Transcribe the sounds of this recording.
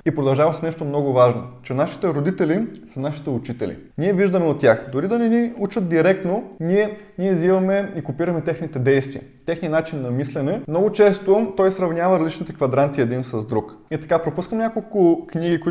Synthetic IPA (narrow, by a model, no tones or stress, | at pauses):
ipɾod̪ɐlˠʒavɐsnɛʃt̪omnɔɡʊvaʒno̰t͡ʃɛnaʃi̥t̪ɛɾod̪it̪ɛlisɐnaʃi̥t̪ɛut͡ʃit̪ɛlḭnʲiɛviʒd̪ɐmɛot̪t̪ːʲjaxd̪ʊɾid̪ɐnɛniut͡ʃət̪̚d̪iɾɛk̚t̪noniɛniɛzivɐmɛikopiɾɐmɛt̪ɛxnit̪ɛd̪ɛjst̪viɐ̰t̪ɛxniɐnat͡ʃinːɐmislɛnɛmnɔɡʊt͡ʃɛst̪ot̪ɔjsɾɐvnʲjavɐd̪lit͡ʃnit̪ɛkvɐd̪ɾant̪iɛd̪insɐzd̪ɾuk | it̪ɐ̥kapɾopuskəmnʲakolˠkʊkniɡikʊ